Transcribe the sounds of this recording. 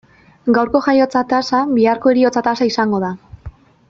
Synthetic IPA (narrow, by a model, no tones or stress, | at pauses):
ɡawɾko̞ʝajo̞t͡sat̪asaβiaɾko̞e̞ɾio̞t͡sat̪asaisaŋɡo̞ð̞a